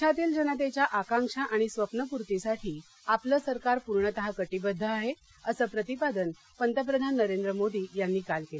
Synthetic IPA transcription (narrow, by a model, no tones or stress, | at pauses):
t͡ɕʰat̪iːld͡ʑənat̪̬et͡ɕjaʔakãŋkʂaʔaɽ̃isʋəpnəpuɾt̪isaʈʰiː | apləːsəɾkaɾpuɾɳət̪əɦakəʈibəd̪ʱːəaɦe | əsəːpɾət̪ipad̪ən | pənt̪əp̬ɾəd̪ʱanːəɾend̪ɾəmod̪iːjanːiːkalkel